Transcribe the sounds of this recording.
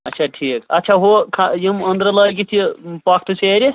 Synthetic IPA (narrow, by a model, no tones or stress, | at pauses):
ɐtːʃʰaʈʰiːkɐt̪ːt͡ʃʰaɦokʰajimə̃nd̪ɾələːjk̬it̪ʰipakʰt̪useɾi